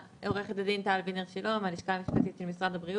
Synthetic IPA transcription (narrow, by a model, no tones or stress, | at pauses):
eoʁeχet̪ad̪int̪aːlvineʁʃalo̞maliʃkamiʃpat̪it̪ʃelmisʁad̪abʁi